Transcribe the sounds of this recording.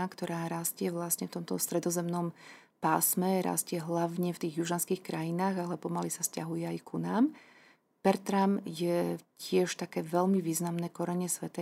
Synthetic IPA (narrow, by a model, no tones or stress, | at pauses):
akt̪ɔɾaːɾascɪɛʋlasɲɛft̪ɔmt̪ɔst̪ɾɛd̪ɔzɛmnɔm | paːsmɛɾa̰scɪɛɦlaʋɲɛft̪iːɣjuʒanskiːxkɾajinaːɣalɛpɔmalisasca̰ɦujɛajkʰunaːm | pɛɾt̪ɾamjɛcɪɛʃt̪akɛːʋɛʎmiʋiːznamnɛkɔɾɛɲɛsʋɛt̪a